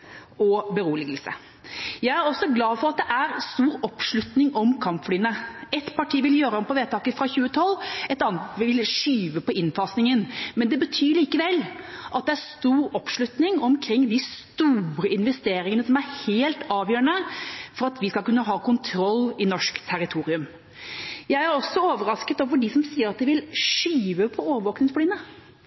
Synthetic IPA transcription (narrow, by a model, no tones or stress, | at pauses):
ɔbəɾuːlɪɡəlsə̰ | jæɪæɾɔsːɔɡlɑːfɔɾɑt̪̚d̪ɛʔæɾst̪uːɾɔpʂɭʉt̪nɪŋɔmkʰɑmpflyːənəɛt̪pʰɑʈʰiːʋɪljøːɾəɔmpʰɔʋeːt̪ʰɑːkəfɾɑçʉːət̪ʰɔlːɛt̪ɑnt̪ʋɪʋɪlʂyːʋəpɔɪnfɑːsnɪŋənmɛnd̪ɛbət̪ʰyːɭiːkəʋɛlːʔɑt̪̚d̪ɛæɾst̪uːɾɔpʂɭʉt̪nɪŋɔmkʰɾɪŋːd̪ɪst̪uːɾəɪnʋɛst̪eːɾɪŋənəsɔmæɾheːlt̪ɑːʋjøːɾəɳəfɔɾɑt̪ʋɪskɑlkʉnːəɦɑːkʊnt̪ʰɾɔlːɪnɔʂkt̪ʰæɾɪt̪ʰuːɾɪʉm | jæɪæɾɔsːɔoːʋəɾɑskət̪oːʋəɖɪsɔmsiːəɾɑt̪̚d̪ɛʋɪlʂyːʋəpʰɔoːʋəʋoːknɪŋspliːnə